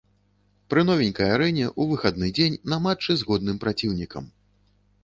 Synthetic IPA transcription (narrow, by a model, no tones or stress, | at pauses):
pɾɨnɔvʲinʲkɐjaɾɛnʲɛʔuvɨxad̪nɨd͡zʲenʲnɐmat͡ʂːɨzɣɔd̪̚nɨmpɾat͡sʲiwnʲikɐ̰m